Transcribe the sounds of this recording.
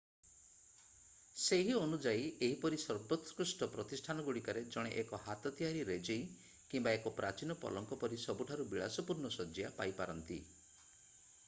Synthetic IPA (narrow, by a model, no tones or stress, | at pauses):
seɦiɔnud͡ʒajeɦipɔɾisɔɾbɔt̪skɾusʈɔpɾɔt̪isʈʰanɔɡuɽikaɾed͡ʒɔɽ̃eʔekɔɦat̪ɔt̪iɦaɾiɾed͡ʒej | kimbaekɔpɾat͡ʃinɔpɔ̰lɔŋkɔpɔɾisɔbuʈʰaɾubiɭasɔpuɾnɔsɔd͡ʒijapajpaɾɔnt̪ḭ